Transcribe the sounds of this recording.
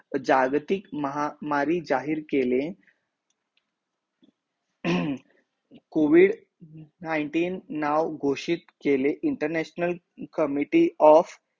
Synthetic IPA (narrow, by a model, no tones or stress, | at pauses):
d͡ʑaɡt̪ikməɦamaɾiːd͡ʑaɦiːɾkele | koʋiɽ | naiɳʈiːnːawɡʱoɕit̪keleʔiɳʈəɾnæɕnəl | kəmiʈiːɔf